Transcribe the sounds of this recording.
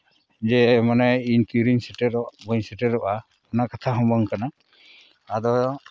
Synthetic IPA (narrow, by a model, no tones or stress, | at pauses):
d͡ʒɛmanaiɲt̪iɾiɲsɛʈɛɾɔʔbɔɲsɛʈɛɾɔʔa | ɔnakat̪ʰaɦɔmbɔŋkana | ad̪ɔ